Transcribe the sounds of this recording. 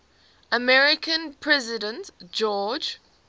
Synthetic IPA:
əmɛɹɪkʰə̃npʰɹ̥ɛzɪdə̃ntd͡ʒɔːd͡ʒ

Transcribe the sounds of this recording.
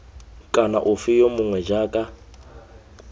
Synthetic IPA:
kʼanaʔufijɔmʊŋwɛd͡ʒakʼa

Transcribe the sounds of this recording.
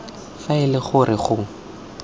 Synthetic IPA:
faɪlɪχʊrʔɪχʊ

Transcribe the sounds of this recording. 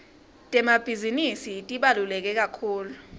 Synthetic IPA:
tʼɛmab̥ʱizinisitʼiɓalulɛk̬ɛk̬ʼakʰuːlu

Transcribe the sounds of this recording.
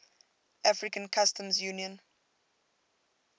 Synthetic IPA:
ʔafɹikãnkʰastʰə̃mzjuniɔ̃n

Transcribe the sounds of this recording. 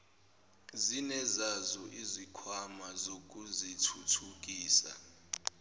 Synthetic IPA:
zinɛzazɔʔizikʰwamazok̬ʼuzitʰutʰuk̬ʼiːsa̰

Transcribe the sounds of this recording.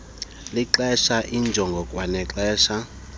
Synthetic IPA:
liǃɛʃaʔind͡ʒʱɔŋɡʱɔkʼwanɛǁɛːʃa

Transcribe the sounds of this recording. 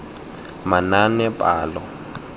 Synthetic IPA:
mananɛpʼaːlɔ

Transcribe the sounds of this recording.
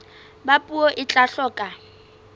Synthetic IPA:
bapʼuɔʔɪt͡ɬʼaɬɔːkʼa

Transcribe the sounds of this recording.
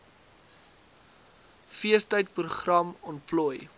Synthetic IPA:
fiəstəjt̚pruχrɐmɔntplɔj

